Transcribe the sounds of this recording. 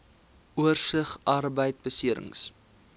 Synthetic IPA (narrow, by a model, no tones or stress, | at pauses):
uərsəχʔɐrbəjt̚bəsiəɾə̰ŋs